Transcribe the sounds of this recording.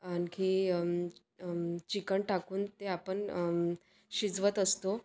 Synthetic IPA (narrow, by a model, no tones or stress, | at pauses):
anki | t͡ɕikəɳʈakuːnt̪eapəɳ | ɕid͡zʋət̪əst̪o